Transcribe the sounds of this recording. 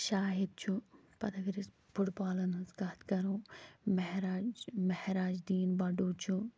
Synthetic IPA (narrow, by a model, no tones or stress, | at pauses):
ʃaːɦid̪̚t͡ʃʰu | pɐd̪ɐɡɾis | bʊɽbaːlɐnɐskaːt̪kɐɾũːmɐɦɾaːd͡ʒmɐhɾaːd͡ʒd̪iːnbɐɖuːt͡ʃʰu